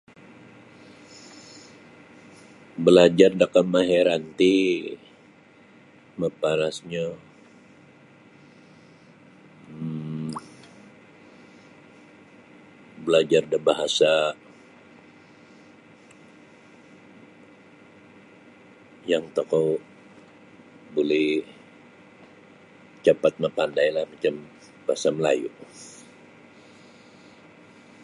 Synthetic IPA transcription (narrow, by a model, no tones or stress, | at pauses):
bəlad͡ʒardəkəmaɦeɾant̪i | məpaɾasɲa | bəlad͡ʒardəbaɦasa | jaŋt̪akow | bolɛh | t͡ʃapat̪̚mapandajlahmat͡ʃam | b̥ahasaməla̰jṵ